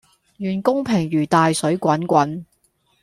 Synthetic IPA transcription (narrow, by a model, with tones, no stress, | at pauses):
jyː˨˩nkʊ˥ŋpʰɪ˨˩ŋɥyː˨˩t̪aː˨jsɵ˨˥ɥkʷɐ˨˥nkʷɐ˨˥n